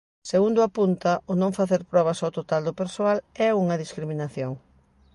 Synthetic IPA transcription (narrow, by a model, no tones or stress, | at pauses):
seɣund̪ʊapunt̪ɐonõŋfaθeɾpɾɔβ̞ɐsawt̪ot̪ald̪ʊpeɾsoalɛuŋɐðiskɾimĩnaθjoŋ